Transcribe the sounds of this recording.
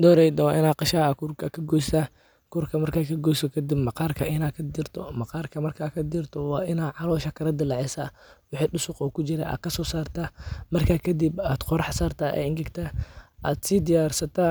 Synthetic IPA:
d̪ɔːɾɛjd̪ɐwɑːʔɪnaːqɑʃaːɐkʰʊrkʰɐkʰɐɡɔːst̪ɐ | kʰʊrkʰɐmɐrkaːkʰɐɡɔːsɔkʰɐd̪ɪbmɑqɑːrkʰɐʔɪnaːkʰɐd̪ɪrt̪ʰɔmɑqɑːrkʰɐmɐrkʰakʰɐd̪ɪrt̪ʰɔwɑːʔɪnaːʕɑlɔːʃɐkʰɐɾɐd̪ɪlɛʕɛsa | wʊħiːɗʊsʊqɔːkʰʊt͡ʃɪɾɛ̰ʔa̰ːkʰɐsɔːsaːrt̪ʰamɐrkʰaːkʰɐd̪ibaːd̪̥qɔɾħɑsaːrt̪ʰaːʔɛ̰ɪŋɡɪɡt̪ʰaʔa̰ːd̪siːd̪ɪjaːrsɐt̪ʰa

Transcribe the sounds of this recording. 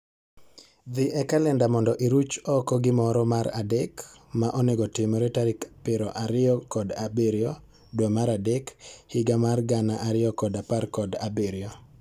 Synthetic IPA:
d̪ɪʔɛkalɛndamɔndɔʔiɾut͡ʃɔkɔɡɪmɔɾɔmaɾa̰dɛk | maʔɔneɡɔtɪmɔɾetaɾɪkpɪɾɔʔaɾɪɔkɔdabeɾjɔ | dwomaɾadɛkhɪɡamarɡanaʔaɾɪɔkɔdaparkɔda̰beɾjɔ

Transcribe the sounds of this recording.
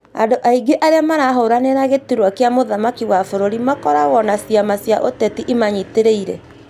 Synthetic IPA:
adoʔaiɡeʔaɾeamaɾaɦoɾaneɾaɣetiɾwakeamoðamakiwafoɾoɾimakɔɾaɣɔnasjamasja̰ʔotɛtiʔimaɲiteɾeiɾɛ̰

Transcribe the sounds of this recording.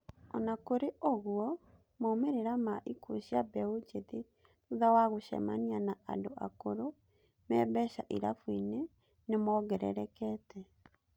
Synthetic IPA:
ɔnakoɾeʔoɣwɔ | momeɾeɾamaʔikoɕiabɛod͡ʒeðe | uðawaɣoʃɛ̰manianaandoʔa̰koɾo | mɛbɛʃaʔiɾa̰fwine | nemɔɣɛɾɛ̰ɾɛkɛtɛ

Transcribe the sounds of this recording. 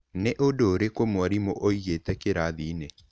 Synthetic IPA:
neʔodoːɾekomwaɾimoʔoiɣetɛkeɾaðine

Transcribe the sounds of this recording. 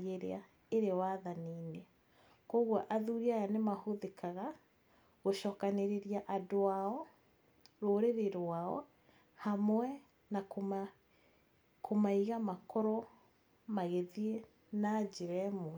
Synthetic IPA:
ɣeɾḛa | eɾewaðaniːne | kɔɣwaʔaðuːɾiajanemahoðekaɣa | ɣoʃɔːkaneɾeɾiaʔadoaɔ | ɾoːɾeɾeɾwaɔ̰ | hamwɛ | nak | kʰomaiɣamakɔɾɔ | maɣeðie | nad͡ʑeɾɛmo

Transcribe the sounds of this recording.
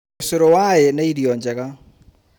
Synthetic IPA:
seɾɔwajenaiɾjɔɲd͡ʒɛɣa

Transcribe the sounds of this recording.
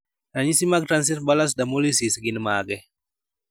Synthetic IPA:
ɾaɲisimaɡ̚tɾans̬itbalas̬damolisisɡinmaɡɛ

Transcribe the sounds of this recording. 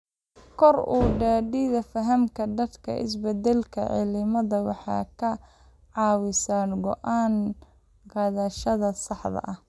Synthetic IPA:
kʰɔruːɖɛːɖiðɐfɐɦɐmkʰɐd̪ɐd̪kʰɐ̰ʔɪ̰s̬bɛd̪ɛlkʰɐ̰ʕɪ̰lɪmɐðɐwɑ̰ħɑ̰ːkʰɐ | ʕɑːwɪsanɡɔʔaːn | qɑðɐʃɐðɐsɑħðɐ̰ʔɐh

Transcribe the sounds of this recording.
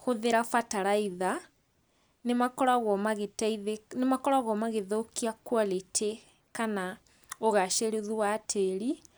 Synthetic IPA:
xoðeɾafataɾaiða | nemakɔɾaɣɔmaɣetaiðenemakɔɾaɣɔmaɣeðokiakwaletʰe | kana | oɣaʃeɾeðuwatʰeɾi

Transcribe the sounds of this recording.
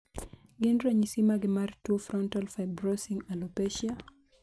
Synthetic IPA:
ɡɪnɾɛɲisimaɡɪmartwofrɔntalfaɪbɾosiŋalopɛʃia

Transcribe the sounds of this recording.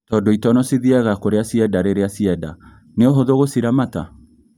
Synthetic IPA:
tɔːdoitɔnɔsiðiɛɣakoɾeasiɛdaɾeɾeasiɛda̰ | neoɦoðoɣosiɾamata

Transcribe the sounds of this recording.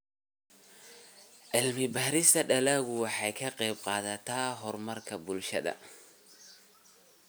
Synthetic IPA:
ʕɪlmɪbɐːɾɪst̪ʰɐɖɐlaːɣʊwɑħɑjkʰɐqɛjb̚qɑːðɐt̪ʰaːɦɔrmɐrkʰɐbʊlʃɐðɐ̰

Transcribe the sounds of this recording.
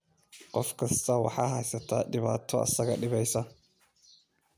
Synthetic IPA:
qʼɔfkɐstawa̰ħaɦɐjsɐtaɗɪba̰tʰoa̰sɐɡaɗɪβajsa

